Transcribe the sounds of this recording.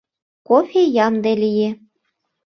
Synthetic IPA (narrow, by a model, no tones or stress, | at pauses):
kofʲejɑmd̪elije